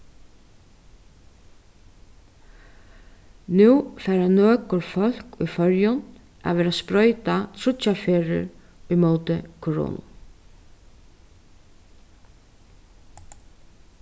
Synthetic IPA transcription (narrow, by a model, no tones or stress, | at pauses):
nuːfɛːɾanøːkʊɾfœl̥kṵjfœɹjʊn | ʔa̰ʋɛːɾaspɾɔʏt̪at̪ʰɾʊt͡ʃafeːɾɪ̰ɹ | ijmoːt̪ɪkʰɔɹo̰ːn̰